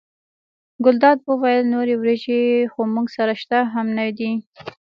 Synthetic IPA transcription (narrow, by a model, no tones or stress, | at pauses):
ɡʊld̪ɑd̪̚wəwajəlnoɾewɾeʒexomuɡsaɾaʃt̪aɦamnad̪i